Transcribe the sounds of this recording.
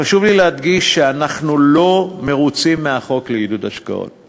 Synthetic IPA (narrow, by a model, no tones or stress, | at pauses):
χaʃuvlilehad̪ɡiʃːeanaχnulo̞me̞ʁut͡simːeaχo̞kleidudaʃka̰o̞̰t